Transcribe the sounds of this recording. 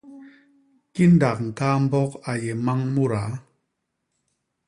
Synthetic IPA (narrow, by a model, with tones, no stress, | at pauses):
ki˦n̩˦da˨k̚ŋ̩˨kaː˦m̩˦bɔ˦ka˨je˨ma˦ŋmu˦ɾa˨˦